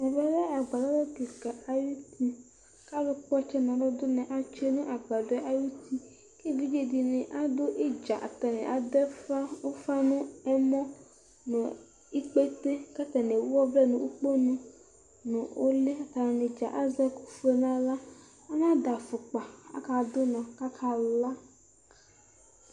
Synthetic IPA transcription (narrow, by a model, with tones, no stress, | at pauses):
nɛ˨vɛ˦lɛ˦a˨ɡ͡ba˨lɔ˦lɔ˦ti˨ka˨a˨ju˦t̪i˦ | ka˦lʊ˦k͡pɔ˦t͡ʃɛ˦nã˨dɔ˦d̪ʊ˦nɛ̃˨ʔa˨t͡ʃe˦nũ˦ʔa˨ɡ͡ba˨dɔ˦ʔa˦ju˦t̪i˦ | ke˦vi˦d͡ʒe˨di˨nẽ˨ʔa˦d̪ʊ˦ʔe˦d͡ʒa˨ʔa̰˨t̪a˨nɛ̰̃˨ʔa˨d̪ɛ˦fa˦o˦fa˦nʊ̃˦ɛ˦mɔ̃˦ | nʊ̃˨ | i˦k͡pe˦t̪e˦ka˦t̪a˨ne˨wɔ˦vlɛ˦nʊ̃˨ʔu˦k͡po˦nũ˦ | nʊ̃˨o˦le˦a˨t̪a˨na˨nɪ̃˨d͡ʒa̰˨ʔa˦za˦kʊ̥˨fe˦nã˦la˦ | a˦nã˦da˨fʊ˨k͡pa˨a̰˦ka˨d̪ʊ˦nɔ̃˨ka˦kʰa˨la˦